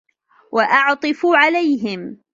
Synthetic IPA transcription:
waʔɑʕt̪ˤɨfuʕalajɦɪm

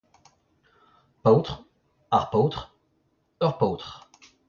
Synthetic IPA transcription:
powt̪χ | aʁpot̪χ | œʁpowt̪χ

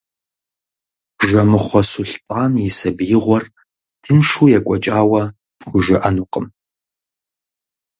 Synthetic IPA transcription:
ʒɐmɨχʷɔsʊɬtʼaːnjɪsɐbjɪʁʷɔr | tʰɨnʂuːjɛkʷʼɔt͡ʃʼaːwɐ | pxʷʊʒɪʔɐnuqʼəm

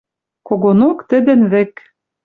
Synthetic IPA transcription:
koɣonokt̪ɘ̆d̪ɘ̆nβɘ̆k

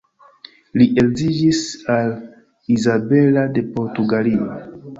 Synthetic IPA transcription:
liʔelzid͡ʒisal | izabe̞lade̞po̞ɾtuɡalio

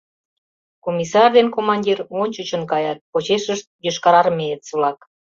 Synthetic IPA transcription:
komʲisɑrd̪enkomɑnʲdʲirmonʲt͡ɕut͡ɕə̆nkɑjɑt̪̚pot͡ɕeʃəʃt̪̚jøʃkɑɾɑrmeet̪sulɑk

